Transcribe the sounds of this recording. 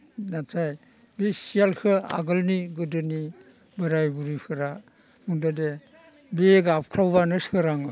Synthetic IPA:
natʰaj | bisijalkʰɯa̰ɡɯlniɡɯdɯni | bɯɾajbuɾipʰɯɾa | muŋdade | beɡap̚kʰɾawbanɯskʰɯɾaŋɯ

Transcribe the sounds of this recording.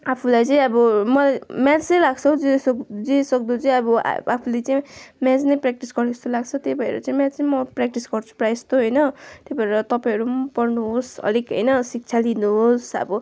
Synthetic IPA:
apʰulajt͡sʌĩʌbʌmʌlajmjat͡sʌjlaɡt͡sʰʌd͡zesd͡zesʌk̚d̪ut͡saĩʌbʌ̰apʰulet͡saĩmjãt͡snʌprak̚ʈisɡʌrnest̪olaɡt͡sʰʌt̪ebʱʌḛɾʌt͡saĩmjãt͡sʌĩmʌprak̚ʈisɡʌrt͡sʰu̥prajst̪ʰoɦʌjnʌt̪ebʱʌeɾʌt̪ʌpaj̃ɦʌɾumpʌrnuɦosʌ̰likɦʌ̰jnʌsik̚t͡sʰalinuɦosʌ̰bʌ

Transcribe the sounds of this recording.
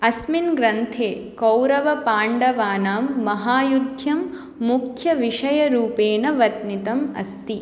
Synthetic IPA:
ɐsminɡɾɐnt̪ʰeː | kɐwɾɐʋɐpaːɳɖɐʋaːnaːmːɐɦaːjud̪ʱjɐmː | ukʰjɐʋiʂɐjɐɾuːpeːɳɐʋɐt̪nit̪ɐmɐ̰st̪i

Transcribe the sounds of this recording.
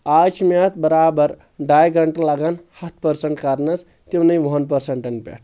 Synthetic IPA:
at͡ʃʰmeɐt̪ʰbəɾabəɾ | ɖajɡʱɐɳʈlaɡanhɐt̪ʰpəɾseɳʈkaɾnɐs | t̪ewnɐjʋoɦənpəɾseɳʈɐnpḛʈ̚ʰ

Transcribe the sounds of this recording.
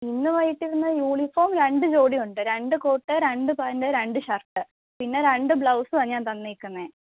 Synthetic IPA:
inːuʋɐjːiʈːiɾunːɐjuːɳifoːmɾe̞ɳɖɨd͡ʑo̞ːɽijuɳɖɨɾe̞ɳɖɨkoːʈːɨɾe̞ɳɖɨpɐːndeɾe̞ɳɖɨɕɐrʈːɨ | pinːe̞ɾeɳɖɨbɭɐwsɨʋɐɲaːnt̪ɐnːiikːunːeː

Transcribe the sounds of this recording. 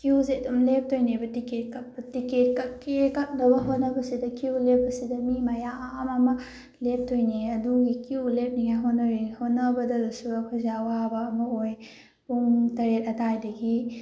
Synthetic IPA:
kiuzeɐdumlep̚tojnebɐtiket̚kɐp̚bɐtiket̚kɐkekɐk̚nɐbɐɦonːɐbɐsidɐkiulep̚ːɐsidɐmimɐjaːmɐmɐ | lep̚tʰojneɐduɡikiulep̚niŋajɦonːɐɾihonːɐbɐdɐdusuɐkʰɔzawabɐːmɐoj | puŋtɐɾet̚ɐtʰajdɐɡi

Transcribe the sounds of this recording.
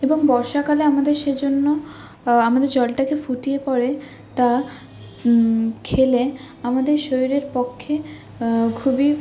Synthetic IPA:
eboŋbɔɾʃakaleamad̪eɾʃed͡ʑonːo | amad̪eɾd͡ʑɔlʈakefuʈiepɔɾe | t̪a | kʰele | amad̪eɾʃojiɾeɾpokʰːe | kʰubi

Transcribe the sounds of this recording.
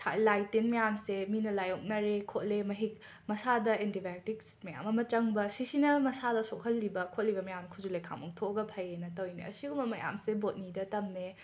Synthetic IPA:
tʰa̰lajtenmɐjamseminɐlajok̚nɐɾekʰot̚lemɐɦik̚ | mɐsadɐentibak̚tik̚smɐja̰mɐmɐt͡ʃɐŋbɐsisinɐmɐsadɐsokʰɐlːibɐkʰotlibɐmɐjamnɐkʰuzulejkʰa̰ŋmɐŋtʰoɡɐpʰɐjenɐtɐwjnḛɐ̰siɡumbɐmɐja̰msebot̚nidɐtɐmːe

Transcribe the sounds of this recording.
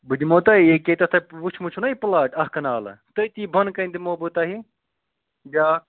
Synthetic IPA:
bɨd̪ʲimot̪aiekʲet̪ɐt̪ʰɐʋut͡ʃʰmut͡ʃʰunaiplaːʈɐhkɐnaːlɐ̰t̪ɐjt̪ibʱɐnkɐnd̪imoːbɨt̪aːɦi | d͡ʒaː

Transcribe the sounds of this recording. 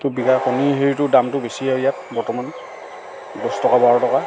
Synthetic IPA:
tʊbiɡaɹkoniɦeɹitʊdamtʊbesiajat̚bɔɹtɔman | ɡɔstɔkabɔaɹɔtɔka

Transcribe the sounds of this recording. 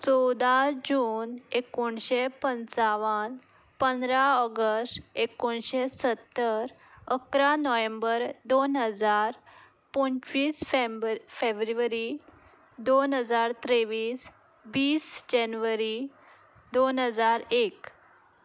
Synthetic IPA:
t͡sɔd̪ad͡ʑuːnekoɳɕepənt͡saʋən | pənd̪ɾaɔɡəsʈekoɳɕesət̪ːəɾ | əkɾanɔʋẽmbəɾd̪onɦəd͡zaɾ | pɔnt͡ɕʋiːsffebɾuʋəɾi | d̪onɦəd͡zaɾt̪ɾeʋiːs | biːsd͡ʑɛnʋəɾi | d̪onɦəd͡zaɾek

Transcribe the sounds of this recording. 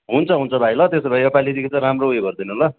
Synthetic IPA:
ɦunt͡sʰʌɦunt͡sʰʌbʱajlʌt̪esebʱajʌpalid̪ikʰit͡sʌ̃ɾamroujebʱʌrd̪ʌnuɦola

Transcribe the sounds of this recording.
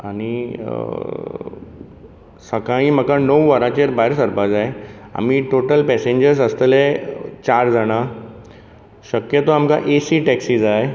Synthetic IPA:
añi | səkaĩm̤əkanəwʋəɾat͡ɕeɾbaɦeɾsəɾpad͡zaea̰m̤iʈoʈəlpɛsẽɲd͡ʑəɾsəst̪əlet͡ɕaɾd͡zaɽ̃a | ɕəkjət̪oamka̰ʔesiʈɛksid͡zae

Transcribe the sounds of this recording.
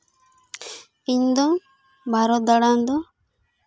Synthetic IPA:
iɲd̪ɔŋ | bʱaɾɔd̪aɽand̪ɔ

